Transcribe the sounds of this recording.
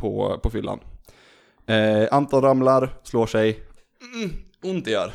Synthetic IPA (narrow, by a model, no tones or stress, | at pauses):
pʰɔ̰pʰɔfʏlːa̰n | ʔant̪ʰɑːlɾamlaɾsloːʂɛj | ʊnt̪jœ̰ːɾ